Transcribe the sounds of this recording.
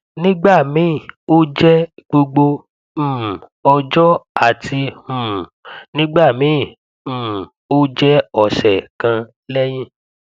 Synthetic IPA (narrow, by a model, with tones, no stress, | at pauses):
nĩ˦ɡ͡ba˦˨mĩ˨˦˨o˦d͡ʒɛ˦ɡ͡bo˧ɡ͡bo˧ | m̩˨ɔ˧d͡ʒɔ˦a˦˨tʰi˧mũ˨nĩ˦ɡ͡ba˦˨mĩ˨˦˨ | m̩̃˨ | o˦d͡ʒɛ˦ɔ˨sɛ˨kã˧ | lɛ˦j̃ĩ˦˨